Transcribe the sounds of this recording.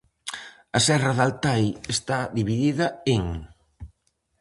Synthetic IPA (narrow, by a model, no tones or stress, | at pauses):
ɐsɛrɐðalt̪ajest̪aðiβiðiðɐeŋ